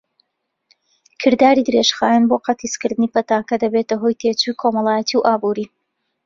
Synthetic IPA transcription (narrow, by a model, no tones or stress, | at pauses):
kʰɨɾd̪aːɾid̪ɨɾeʃxaːjaːnboːqɑt̪ʰiskɨɾd̪ɨnipɐt̪aːkɐd̪ɐbeːt̪ɐɦo̞jt̪ʰet͡ʃujkʰomɐlˠaːjɐt̪ʰiwʔaːbuɾi